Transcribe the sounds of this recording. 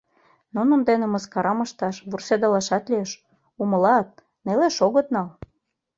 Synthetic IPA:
nunənd̪enĕməskɑɾɑmɤ̆ʃt̪ɑʃβursed̪ɑlɑʃɑt̪leeʃ | umɤ̆lɑt̪̚ | neleʃoɣɤ̆t̪̚nɑl

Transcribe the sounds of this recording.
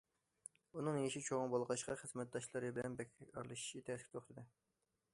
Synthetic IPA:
unɨŋjeʃit͡ʃʰoʁəŋbɑlˠʁɑʃqɑχəzmɛt̪̚d̪ɑʃlˠɨɾɨbɪlɛnbɛkʲʰɑ̰ɾlˠɨʃi̥ʃit̪ʰɛskʲʰt̪ʰoχt̪ʰɨd̪ɨ

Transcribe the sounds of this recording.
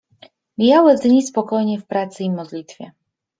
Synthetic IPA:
mʲijawɘzɲispɔkɔjɲɛfpɾat̪sɘimɔd̪lʲit̪fʲjɛ̰

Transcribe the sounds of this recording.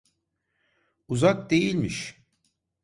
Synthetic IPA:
uzak̚d̪e̞jilʲmiʃ

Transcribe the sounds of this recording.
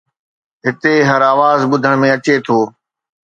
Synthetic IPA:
ɦɪt̪eɦɐɾaːʋaːzɓʊd̪ʱəɽ̃mẽɐt͡ɕet̪ʰoː

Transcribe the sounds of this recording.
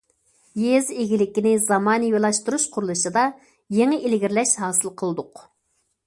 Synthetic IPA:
jezeɡʲilɪkʲinɪzɑmɑːnɨjolˠɑʃt̪uɾuʃqʰʊɾulˠuʃɨd̪ɑ | jeŋɪʔelɡʲiɾlɛʃɦɑːsɨlˠqʰəlˠɨd̪ʊq

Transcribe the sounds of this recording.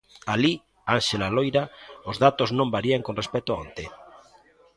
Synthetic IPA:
ali | anʃelalojɾaozðat̪oznõmbaɾiaŋkonrespet̪oaont̪e

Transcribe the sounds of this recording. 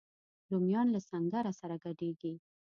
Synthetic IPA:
lomjɑnlasaŋɡaɾasaɾaɡaɖeɡi

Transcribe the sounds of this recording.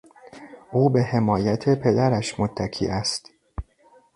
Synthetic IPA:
ʔuːbe̞he̞mɒːjæt̪ʰe̞pʰe̞d̪æɾæʃmot̪ʰːækʰḭːʔæst̪

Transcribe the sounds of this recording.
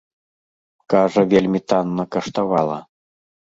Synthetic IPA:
kaʐɐvʲelʲmʲit̪anːɐkɐʂt̪avalˠɐ̰

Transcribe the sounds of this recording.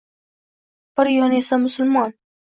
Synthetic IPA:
b̥ɪɾjɒnesamʊsʊlmɒn

